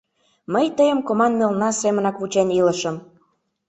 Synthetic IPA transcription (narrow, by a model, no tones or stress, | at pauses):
məjt̪əjəmkomɑnmelnɑsemənɑkβut͡ɕeniləʃəm